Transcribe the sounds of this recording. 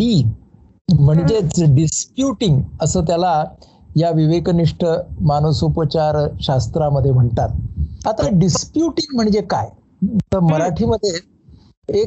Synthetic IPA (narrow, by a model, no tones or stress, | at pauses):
ɖiː | m̤əɳd͡ʑet͡sɖispjuʈiŋɡəsəːt̪̬jala | jaʋiʋekniʂʈəmanosupət͡ɕaɾɕast̪ɾaməd̪ʱːjem̤əɳt̪at̪̚at̪aɖispjuʈiŋɡm̤əɳd͡ʑekaj | t̪əɾməɾaʈʰiːməd̪ʱːjeː | k̚